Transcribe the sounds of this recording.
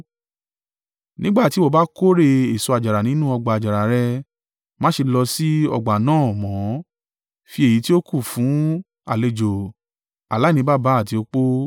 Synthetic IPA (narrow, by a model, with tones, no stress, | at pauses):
nĩ˦ɡ͡ba˦˨ti˨˦wo˦˨ba˦ko˦ɾe˧e˨so˧a˧˨d͡ʒa˨ɾa˨nĩ˨˦nũ˦ɔ˧ɡ͡ba˨a˨d͡ʒa˨ɾa˨ɾɛ˧ | mã˦ʃe˧lɔ˧si˦ɔ̰˧ɡ͡ba˨nãː˦˨mɔ̃˨˦ | fi˧˦e˨ji˨˦ti˦o˦ku˦˨fũ˨˦ | a̰˨le˧d͡ʒo˨ | a˨la˨˦˨ĩ˧˦ba˦˨ba˨˦˨ti˧o˧k͡po˦